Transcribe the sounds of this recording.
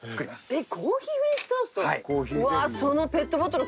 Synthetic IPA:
t͡sɨ̥kɯɾʲimasɨ̥ekʰoːçiːβest̪asoaikoːçiaso̞nope̞t̪ːobot̪oɾ

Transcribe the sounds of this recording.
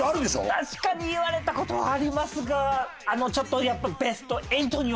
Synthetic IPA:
aɾɯ̟nd̪eso̰t̪aɕi̥kaɲ̟iːβaɾe̞t̪ako̞t̪o̞βa̰ːɾʲimasɨɡaː | no̞t͡ɕo̞t̪ːo̞japːabe̞sɨ̥t̪o̞e̞it̪o̞ɲ̟i

